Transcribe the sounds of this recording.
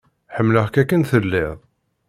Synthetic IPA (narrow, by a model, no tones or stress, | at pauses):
ħəmːləhkækːənθəlːɪðˤ